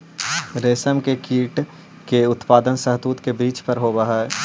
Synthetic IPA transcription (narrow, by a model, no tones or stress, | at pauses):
ɾeːsəmkekiːʈ | keʊt̪paːd̪ənsɐɦt̪uːt̪kebiːt͡ʃpɐɾɦoːbɐɦa